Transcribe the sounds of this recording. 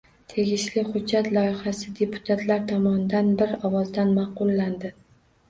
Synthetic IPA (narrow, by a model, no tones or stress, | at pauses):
t̪ʰe̞ɡʲɪʃlɪχʊdd͡ʒːat̪lˠɒjɪhasɪd̪e̞pʰʊ̥t̪ʰat̪ʰlaɾt̪ʰɒmɒnɪd̪anbɪɾɒwɒzd̪anmɑqʊlːand̪ɪ